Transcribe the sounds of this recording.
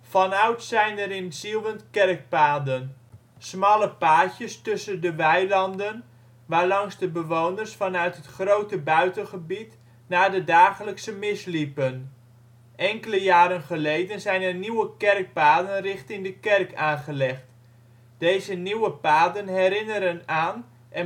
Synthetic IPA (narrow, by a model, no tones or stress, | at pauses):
fɑnœɥtsɛjnəɾɪnsilˠʋəntkɛrk̚paːdən | smɑləpaːcəstɵsəndəʋɛjlɑndən | ʋaːɹlɑŋzdəbəʋownərsfɑnœɥtɦətχrowtəbœɥtənχəbit | naːdədaːχələksəmɪslipən | ʔɛŋkələjaːɾənχəlejdənzɛjnəniwəkɛrk̚paːdənrɪχtɪŋdəkɛrkaːnχəlɛχt | d̥ejzəniwəpaːdənɦɛɾɪnəɾənaːn | ʔɛ